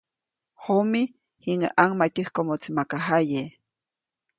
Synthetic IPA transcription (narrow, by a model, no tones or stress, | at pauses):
homi | hiŋaʔaŋmat̪ʲihkomot͡simakaɦaje